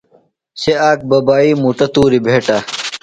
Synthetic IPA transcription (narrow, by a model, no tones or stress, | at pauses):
seaːk̚bɐbaːiːmuʈɐt̪uːɾibʱeːʈa